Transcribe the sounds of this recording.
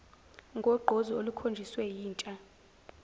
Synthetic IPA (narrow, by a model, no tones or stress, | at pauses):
ŋɡʱɔɡ͡ǃʱozɔolukʰond͡ʒʱiswɛjiːnt͡ʃʼa